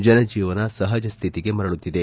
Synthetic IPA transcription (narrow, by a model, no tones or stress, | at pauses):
d͡ʒɐnɐd͡ʒiːʋɐnɐsɐɦɐd͡ʒɐst̪ʰit̪iɡe̞mɐɾɐɭut̪ːid̪e̞